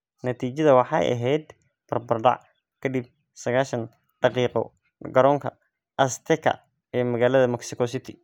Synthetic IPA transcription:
nɐt̪ʰiːt͡ʃɐðɐwɑħɑ̰jʔɐ̰ɦɛjd̪ | b̥ɐrbɐrɖɑ̰ʕ | kʰɐd̪ib̚ | sɐɣaːʃɐn | ɖ̥ɑqiːqɔ̰ | ɡɐɾɔːŋkʰɐ | ʔɐst̪ʰɛkʰɐ̰ | ɛːmɐɣaːlɐðɐmɐksɪkʰɔsɪt̪ʰɪ̥

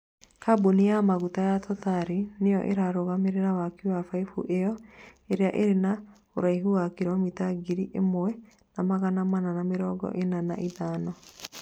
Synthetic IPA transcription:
kabunijamaɣutajatʰɔtaɾinejɔ̰ʔḛɾaɾoɣameɾeɾawakuwafaifṵʔejɔeɾeaʔeɾena | oɾaiɦuwakiɾamitaɡiɾiʔemoɛ | namaɣanamananameɾɔɡɔ̰ʔenana̰ʔiðaːnɔ

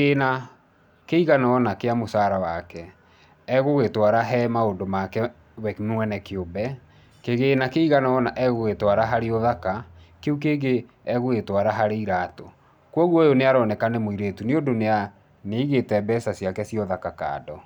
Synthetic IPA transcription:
ena | keiɣanaɔnakeamosaːɾawakɛː | ɣoɣetwaɾaɦɛmaodomakɛ | wɛnwɛnɛkeobɛ | keɣeːnakeiɣanaɔnaʔɛɣoɣetwaɾaɦaɾeoðakakeuk̬eːɡe | ɛɣoetwaɾaɦaɾeiɾaːto | kwɔɣwɔjoneaɾɔnɛkanɛmoiɾeːtuneondonea | neiɣetɛbɛsasjakɛsiɔðakaka̰ːdɔ

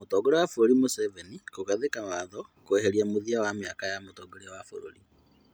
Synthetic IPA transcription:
motɔɡeɾewafoɾoɾimosɛvɛnikoɣaðekawaðɔkoeɦeɾiamoðiawameakajamotɔːɡeɾewafoɾo̰ɾi

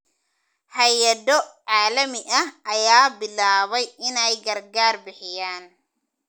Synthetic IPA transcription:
hɐjɐðɔʕaːlɐmɪʔɐhʔɐjaːbɪlaːβɛjɪnɛjɡɐrɡaːrbɪħɪjaːn

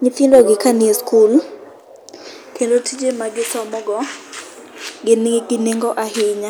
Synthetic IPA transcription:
ɲɪtindɔɡɪkanɪeskul | kendotʰid͡ʒemaɡɪsɔmɔɡɔ | ɡɪnɡɪneŋɡɔʔahɪɲa

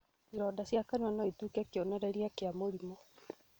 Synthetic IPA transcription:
iɾɔdasjakanɔnɔitukɛkeonɛɾɛɾijakeamoɾimɔ

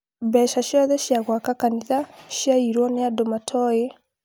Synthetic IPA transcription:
bɛːʃaʃjɔðɛʃjaɣwakakaniðaʃjaiɾwɔneadomatʰɔe

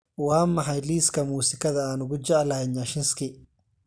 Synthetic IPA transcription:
wɑːmɑħɑjliːskʰɐmuːsɪkʰɐðɐaːnʊɣʊt͡ʃɛʕlɐɪɲaʃɪnskʰɪ

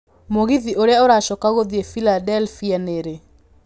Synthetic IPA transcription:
moɣiðiʔoɾeaoɾaʃɔkaɣoðiefiladɛlfianeɾe

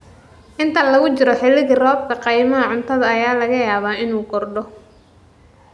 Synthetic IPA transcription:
ʔɪnt̪ʰɐlɐɣʊt͡ʃɪɾɔħɪlːɪɣɪrɔːb̚kʰɐqɑjmɐɦɐʕʊnt̪ʰɐðɐɐjaːlɐɣɐjaːβaːɪnuːɡɔrɖɔ

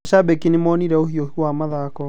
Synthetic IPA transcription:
ʃabɛkinemɔːniɾɛohiɔhiwamaðaːkɔ

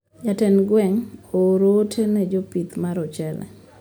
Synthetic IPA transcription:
jatɛnɡwɛŋoɾotʰenɛd͡ʒopit̪maɾɔt͡ʃɛlɛ̰

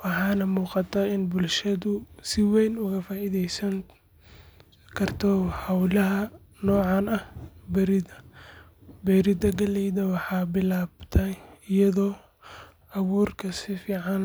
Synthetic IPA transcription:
wɑħɑːnɐmuːqɑt̪ʰɐɪnbʊlʃɐðʊsɪwɛjnʊɣɐfaːʔɪðɛjsɐŋ | kʰɐrt̪ʰɔhawlɐɦɐ | nɔːʕɑnɐhbɛɾɪdɐ | bɛɾɪd̪ɐɡɐlɛjðɐwɑħɑːbɪlaːbt̪ʰɐɪjɐðɔː | ʔɑwuːrkʰɐsɪfiːʕɑn

